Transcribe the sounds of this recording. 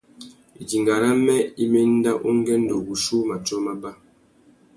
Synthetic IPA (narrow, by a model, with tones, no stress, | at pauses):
i˨d͡ʒi˨ŋɡa˨ɾa˦mɛ˦i˦me˦n̩˦da˦ʔu˦ŋ˦ɡɛ˦n̩˦do˨ɡu˨ʃu˦ma˨t͡ʃɔ˦ma˦ba˦